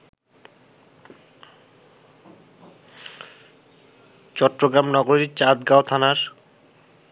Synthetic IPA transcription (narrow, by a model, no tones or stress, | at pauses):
t͡ɕɔʈːɾoɡɾamnɔɡoɾit͡ɕad̪ɡaot̪ʰanaɾ